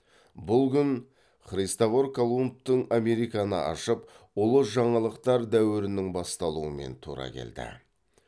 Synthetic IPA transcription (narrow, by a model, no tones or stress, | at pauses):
bʊlˠkʲʏn | χɾijst̪ovoɾkolˠump̚t̪əɴame̞ɾijkɑnə̰ʔɑ̰ʃəp | olˠəʒɑɴɑlˠəqt̪ɑɾd̪æwɪɾɪnɪŋbɑst̪ɑlˠuəme̞̰nt̪ʰuɾɑ̰kʲʰe̞̰ld̪ɪ̰